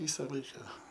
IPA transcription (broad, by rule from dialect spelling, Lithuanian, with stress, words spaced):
ˈʋʲiːsɐ ˈlˠɐɪkɐ